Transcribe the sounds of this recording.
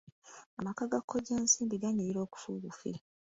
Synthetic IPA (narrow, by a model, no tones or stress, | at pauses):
amakaɡakʰːoɟeːnsiːmbiɡaɲeɾiɾo̞ːku̥fṵːɡufḭ